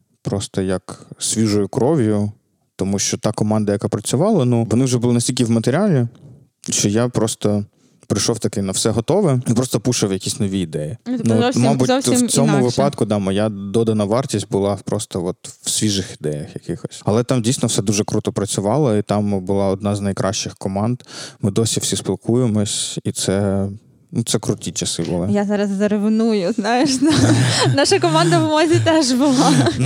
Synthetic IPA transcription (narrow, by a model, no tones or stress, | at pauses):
pɾɔst̪ɔjɐksʲʋʲiʒɔjʊkɾɔʋʲjʊ | t̪ɔmuʃt͡ʃɔt̪ɑkɔmɑnd̪ɐjɐkapɾɐt͡sʲʊʋɑlˠɐnuʋɔnɪwʒɛbʊlˠɪnɐsʲtʲilʲkʲɪwmɐt̪eɾʲɪalʲi | ʃt͡ʃɔjapɾɔst̪ɔ | pɾɪʃɔwt̪ɐkɪnɐwsɛɦɔt̪ɔʋɛipɾɔst̪ɔpuʃɐwjɐkʲisʲnɔʋʲiːd̪ɛjinumɑbʊtʲt͡sʲɔmʊʋɪpɑt̪kʊd̪ɑmɔjad̪ɔd̪ɐnɐʋɑrtʲisʲt̚ʲbʊlˠɑpɾɔst̪ɔɔt̪w̥sʲʋʲiʒɪxid̪ɛjɐxjɐkɪxɔsʲɐlˠɛt̪ɑmdʲijsʲnɔfsɛd̪uʒɛkɾut̪ɔpɾɐt͡sʲʊʋɑlˠɔit̪ɑmbʊlˠɑɔd̪̚nɑznɐjkɾʔɑʃt͡ʃɪxkɔmɑnd̪mɪd̪ɔsʲiwfsʲisplˠkujemɔsʲit̪sɛ | nut̪sɛkɾʊt̪ʲit͡ʃɐsɪbʊlˠɪjazɑɾɐzːɐɾeʋɪnujʊznajɪʃnɐnaʃɐkɔmand̪ɐʋʊmɔzʲit̪ɛʒbʊlˠɑn